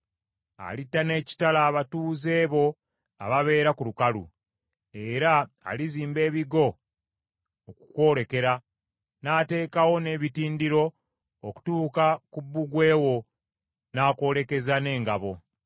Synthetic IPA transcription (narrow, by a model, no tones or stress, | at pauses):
a̰litːane̞ːci̥talaːβatuːze̞ːβo̞ | a̰βaβe̞ːɾakulukalṵ | e̞ɾa̰ː | liziːmbe̞ːβiɡo̞ | kukwo̞ːle̞ke̞ɾa | naːte̞ːkawo̞ne̞βitiːndiɾo̞ | oku̥tuːkakubːuɡwe̞ːwo̞ | naːko̞ːɾe̞ke̞zane̞ːŋɡaβo̞